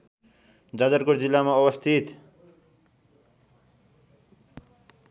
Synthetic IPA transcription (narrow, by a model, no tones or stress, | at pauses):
d͡zad̪ʌɾkoɾd͡zilːamaʌwʌst̪ʰit̪